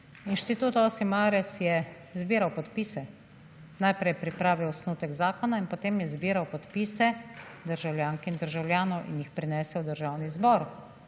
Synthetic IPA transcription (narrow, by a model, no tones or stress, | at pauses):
inʃt̪it̪uːt̪ɔsimaːɾɛt̪sjɛ | zbiːɾawpɔt̪piːsɛ | najpɾɛjpɾipɾaːʋiwɔsnuːt̪ɛɡzaːkɔnainpɔt̪eːmjɛzbiːɾawpɔt̪piːsɛd̪əɾʒawlʲjaːŋkɛind̪əɾʒawlʲjaːnɔwʔḭnjixpɾinɛːsɛwd̪əɾʒaːwnizbɔɾ